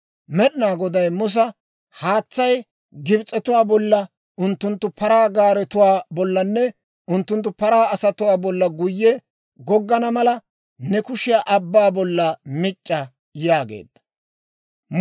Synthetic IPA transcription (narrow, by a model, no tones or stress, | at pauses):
mɛɗɪnaːɡɔd̪ɐjmʊs̬ɐ | haːt͡sːɐj | ɡɪbt͡sʼːɛt̪ʊwaːbɔlːɐ | ʔʊnt̪ːʊnt̪ːʊpɐɾaːɡaːɾɛt̪ʊwaːbɔlːɐnːɛ | ʔʊnt̪ːʊnt̪ːʊpɐɾaːɐsɐt̪ʊwaːbɔlːɐɡʊjːɛ | ɡɔɡːɐnɐmɐlɐ | nɛkʊʃɪjaʔɐbːaːbɔlːɐmɪt͡ʃʼːɐ | jaːɡḛːd̪̥ːɐ̥